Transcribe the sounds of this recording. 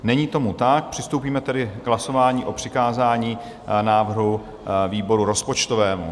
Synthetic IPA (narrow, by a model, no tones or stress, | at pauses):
nɛɲiːt̪o̞mut̪ak̚pr̝̥ɪst̪owpiːmɛt̪ɛdɪɡɦlaso̞vaːɲiːʔo̞pr̝̥ɪkaːzaːɲiː | naːvr̩ɦu | viːbo̞ɾuɾo̞spo̞t͡ʃt̪o̞vɛːmṵ